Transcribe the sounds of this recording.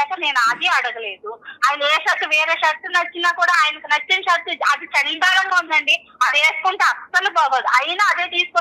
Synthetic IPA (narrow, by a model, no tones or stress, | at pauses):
ɛːkɐne̞ːnuaːd̪eɐɽɐɡɐle̞ːd̪uaːjɐnɐeːʃɐt̪ːuʋɛːɾeːʃɐɾt̪ːunɐt͡ʃːinaːkuːɽaːaːjɐnɐkinɐt͡ʃːinʃɐt̪ːuɐd̪it͡ʃɐnipaːɾɐŋɡaːund̪ɐɳɖi | ɐd̪eːskuɳʈ̪eɐsːɐlubaːʋɐːd̪iʔɐjinɐːd̪eːt̪iːsu̥kɔ